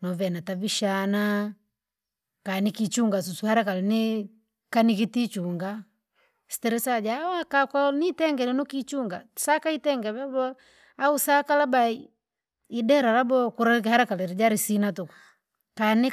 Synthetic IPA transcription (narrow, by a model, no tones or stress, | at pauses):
nɔvɛnataviʃana | kanikit͡ʃuŋɡas̬usuhaɾakalɛni | kanikitit͡ʃuŋɡa | si̥tɛɾɛsad͡ʒawakakwanitɛŋɡɛnɛnukit͡ʃuŋɡasakaitɛŋɡɛβabɔ | ausakalabai | idɛɾaɾabɔkuɾak̬haɾakalɛɾid͡ʒaɾisinatukḁ | kani